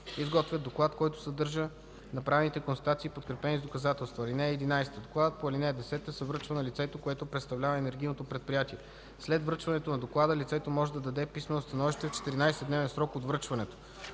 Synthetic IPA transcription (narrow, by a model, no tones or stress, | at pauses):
izɡɔt̪vʲəd̪oklˠat̪kɔjt̪o̥sɐd̪ɤɾʒə | nɐpɾavɛnit̪ɛkonsˠt̪at̪siːpot̪kɾɛpɛnizd̪okɐzat̪ɛlˠst̪vɐlinɛːd̪inajst̪əd̪oklˠad̪ət̪̚poɐlinɛɛd̪ɛsɛt̪əsɛvɾɤt͡ʃvənɐlit̪sɛt̪okoɛt̪opɾɛt̪st̪ɐvlʲavəɛnɛɾɡ̟ʲijnot̪opɾɛt̪̚pɾijat̪iɛ | slɛd̪vɾɤt͡ʃvɐnɛt̪onɐd̪oklˠad̪əlit̪sɛt̪omɔʒɛd̪ɐd̪ɐd̪ɛpismɛnost̪ɐnɔviʃt̪ɛft͡ʃɛ̥t̪iɾinajsɛd̪nɛvɛnsɾɔkod̪vɾɤt͡ʃvɐnɛt̪o̥